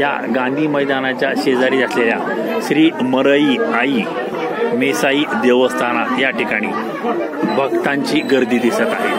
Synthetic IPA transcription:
ja̰ɡãnd̪ʱiːməjd̪anat͡ɕjaɕed͡zaɾiːd͡zat̪lelja | ɕɾiːməɾəiːai | mesaiːd̪eʋəst̪ʰañajaʈʰikaɽ̃iː | bʱəɡt̪aɲt͡ɕiːɡəɾd̪iːd̪isət̪aɦe

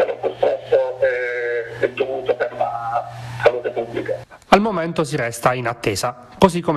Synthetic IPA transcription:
ɛ̰lːopust̪ɾɛsːoɛɛd̪ːovuːt̪opeɾunasaluːt̪epublika | almomɛnt̪os̬iɾɛst̪ainat̪ːeːza | kozikːom

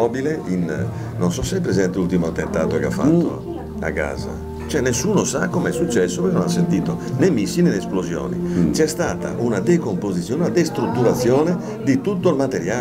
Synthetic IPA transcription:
ɔbileinː | onsɔsːajpːɾɛzɛnt̪elult̪imoat̪ːent̪aːt̪okea̰fːa̰t̪ːo̰ | a̰kːa̰ːza̰ | t͡ʃɛnːesːuːnosakːomɛsːut͡ʃːɛsːopɔkɛnõnasːent̪iːt̪onɛmːisːinɛnɛːsplozjɔ̰ːnḭt͡ʃɛst̪aːt̪a̰ʔunad̪ekompozit̪sjɔːnunad̪est̪ɾut̪ːuɾat̪sːjɔːne | d̪it̪ut̪ːoilmat̪eɾjaː

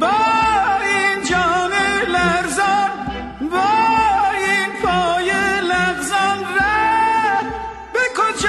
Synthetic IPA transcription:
bɔːind͡ʒɔːnelæɾzɔn | bɔː | infʰɔːjelæɾzɔnɾæ | bekʰot͡ʃ

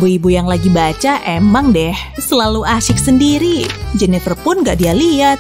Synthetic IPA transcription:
buibujaŋlaɡibat͡ʃaʔemaŋdɛhsəlaluʔaʃɪk̚səndiɾid͡ʒənɛt̪ərpʊnŋɡaʔdialiat̪

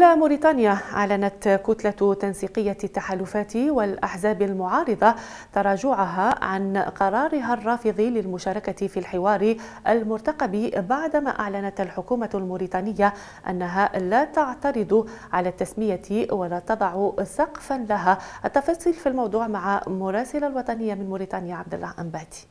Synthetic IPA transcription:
ʔɪlamʊɾiːt̪ˤɑːnjaʔa̰ʕlanat̪kʊt̪lat̪ansiːqəjːat̪ːaħaːlʊfaːt̪iwɪlʔaħzaːbalmʊʕɑːɾˤɨd̪ˤɑ | t̪ɑɾˤɑːʒʊʕʊɦaʕanqɑɾˤɑːɾɪɦarˤːɑːfɨðˤilɪlmʊʃaːɾˤɑkat̪filħɪwɑːɾiʔalmʊɾt̪ɑqɑbibaʕd̪ma̰ːʔa̰ʕlanat̪alħʊkuːmalmʊɾiːt̪ˤɑːnɪjːa | ʔa̰nːaɦalat̪aʕt̪ɑɾɨd̪ʊ | ʕalaːt̪ːasmɪjat̪walaːt̪ɑd̪ˤɑʕʊsɑqfanlaɦaʔat̪ːɑfɑːsˤiːlfilmɑwd̪ˤuːʕmaʕamʊɾˤɑːsɪlalwɑt̪ˤɑnɪjːamɪnmʊɾiːt̪ɑːnɪjaʕab̚d̪a̰lˤːahʔambaːt̪i̥

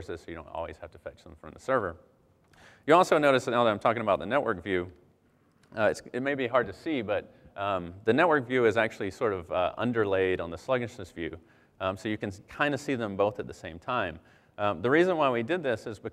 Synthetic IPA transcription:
ɹsɨz̥soʊɨõʊ̃ntɔ̰lˠwḭz̥hæftəfɛt͡ʃðə̃m̩fɹʌ̃mðəsɜ˞və˞ | jɨɔlˠsoʊnoʊɾɨsðɨt̚naʊðəɾãɪmtʰɔkɪ̃ŋəbaʊt̪̚ðənɛʔ̚wɜ˞kv̥jʉ | ɨtsɨt̚meɪbiɦɑɹd̚tʰɨsibʌt̪̚ | ðɨnɛt̚wɜ˞kv̥jʉɨzæk̚t͡ʃʉl̩ˠisɔɹɾʌvʔʌ̰̃ndə˞leɪɾn̩ðəslʌɡɨʃnɨsv̥jʉ̰ | soʊjɨkɨ̃nkʰãɪ̃ndɨsiðə̃mboʊθɨt̪̚ðɨsẽɪ̃mtʰãɪ̃m | ðɨɹizə̃nwaɪwidɨd̪̚ðɪsɨzbɨ

